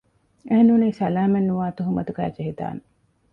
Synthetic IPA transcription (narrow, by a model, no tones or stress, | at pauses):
eɦenuːniːsɐlaːmenːuʋaːt̪uɦumɐt̪uɡæ̰ːd͡ʒeɦit̪a̰ːne